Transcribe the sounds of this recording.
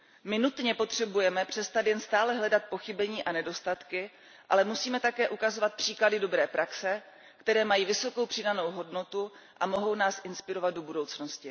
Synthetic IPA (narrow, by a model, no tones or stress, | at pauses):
mɪnut̪ɲɛpo̞t̪r̝̥ɛbujɛmɛpr̝̥ɛst̪at̪jɛnst̪aːlɛɦlɛdat̪̚po̞xɪbɛɲiːʔanɛdo̞st̪at̪kɪ | ʔa̰lɛmusiːmɛt̪akɛːʔukazo̞vat̪̚pr̝̥iːkladɪdo̞bɾɛːpɾʔaksɛ | kt̪ɛɾɛːmajiːvɪso̞ko̞wpr̥ɪdano̞wɦo̞dno̞t̪u | ʔamo̞ɦo̞wnaːsʔɪnspɪɾo̞vad̪̚dobudo̞wt͡snoscɪ